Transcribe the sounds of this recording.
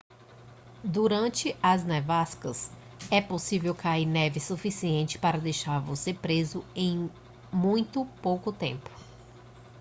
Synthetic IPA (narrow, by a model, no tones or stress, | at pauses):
d̪uɾɐ̃nt͡ʃɪɐznɛvaskɐs | ɛposivewkaiɾnɛvɪsufisiẽnt͡ʃɪ̥paɾɐd̪ejʃaɾvosepɾezʊẽj̃ | mũj̃t̪ʊpowkʊt̪ḛ̃mpʊ̥